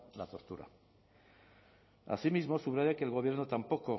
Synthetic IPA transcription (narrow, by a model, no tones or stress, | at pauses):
lat̪o̞ɾt̪uɾa̰ | a̰simizmo̞suβɾaʝakelɣ̞o̞β̞je̞ɾnot̪ampo̞ko̞